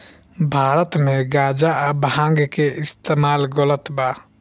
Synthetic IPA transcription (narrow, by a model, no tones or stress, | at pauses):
bʱaːɾət̪meɡaːd͡ʒabɦãːŋɡkeɪst̪eːmaːlɡɔlət̪baː